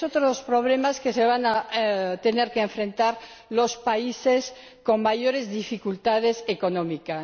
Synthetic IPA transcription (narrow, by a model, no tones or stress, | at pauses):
ot̪ɾospɾoβ̞lemaskeseβ̞anat̪eneɾkeːɱfɾẽnt̪aɾ | lospaises | koŋmaʝoɾezðifikult̪að̞esekonõmika